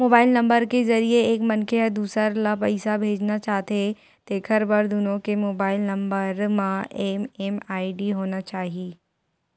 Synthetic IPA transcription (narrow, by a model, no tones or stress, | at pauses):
moːbaːɪlnɐ̃mbəɾkezɐɾieeːkmɐnkeəd̪uːsəɾlapɐɪsabʱeːd͡ʒnat͡ʃaːɦt̪e | t̪eːkʰəɾbɐɾd̪ʊnõkemoːbaːɪlnɐ̃mbəɾmãʔɛːmɛmaːiɖiɦoːnat͡ʃaːɦieː